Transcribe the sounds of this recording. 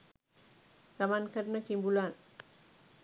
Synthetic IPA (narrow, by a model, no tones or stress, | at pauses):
zamankɐɾnɐkimbulan